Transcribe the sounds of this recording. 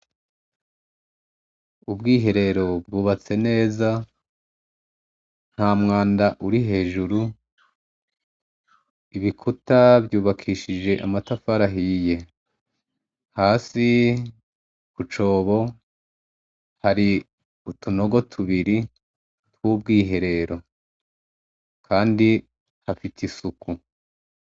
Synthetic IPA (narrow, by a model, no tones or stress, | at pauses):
ubɡiːɦe̞ɾe̞ɾo̞b̚ɡuːβat͡se̞ne̞ːza | n̥hamŋaːndaʔuɾiɦe̞ːʒuɾu | iβikʰutaβjuːβakʰiːʃid͡ʒe̞ʔa̰matafaɾaɦije̞ | haːsi | kut͡ʃo̞ːβo̞ | haɾi | utuno̞ɡo̞tʰuβiɾi | twuːb̚ɡiːɦe̞ɾe̞ɾo̞ | kʰaːndi | hafitʰisuku